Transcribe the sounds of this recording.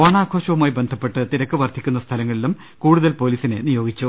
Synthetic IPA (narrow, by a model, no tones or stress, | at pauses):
oːɳaːkʰo̞ːɕɐʋumaːjibe̞nd̪ʱɐpːe̞ʈːɨt̪iɾɐkːɨʋɐrd̪ʱikʲːunːɐst̪ʰɐlɐŋːɐɭilum | kuːɽuðɐlpo̞ːliːsine̞nijo̞ːɡit͡ɕːu